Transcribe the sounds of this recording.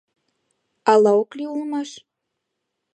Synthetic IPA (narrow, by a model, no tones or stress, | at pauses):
ɑlɑokliulmɑʃ